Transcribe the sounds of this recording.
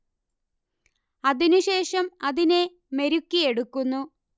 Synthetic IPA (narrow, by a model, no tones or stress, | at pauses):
ɐðinuɕe̞ːʂɐmɐðine̞ | me̞ɾukːie̞ɽukːunːu